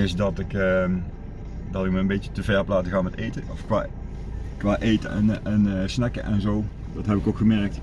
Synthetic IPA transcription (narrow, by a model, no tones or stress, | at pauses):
ɪsdɑtɪkə | dɑtɪk̚məəmbejtətəvɛɹəplaːtəɣaːnmɛtejtəɔfkʋa̰ː | kʋaːʔejtə̰ənsnɛkə̰ʔɛ̰nzow | dɑtɦɛpɪkokχəmɛɹək̚t